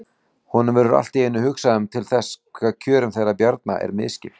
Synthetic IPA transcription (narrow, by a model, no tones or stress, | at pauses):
hɔnʏmvɛːɾʏɾa̰l̥t̪ɪeːjnːʏhʏksaʏmt̪ʰɪlθɛsːkʰvɛːðcʰœːɾʏmθerːapjaɾt̪̚na̰ʔɛ̰ɾmɪ̰ðscɪl